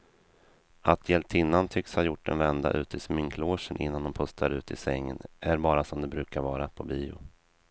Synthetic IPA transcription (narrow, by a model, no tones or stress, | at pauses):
ʔat̪ʰjɛlt̪ʰɪnːant̪ʰʏkshɑːjʊʈːɛ̰nvɛnd̪a̰ʔʉ̟ːt̪ʰɪsmʏŋkʰloːʂənʔɪ̰nːand̪ɔmpʰɵst̪ʰaɾʉ̟ːt̪ɪsɛŋːə̰nʔæɾbɑːɾasɔmd̪ɛbɾʉ̟ːkaɾvɑːɾapʰɔbiːʊ̰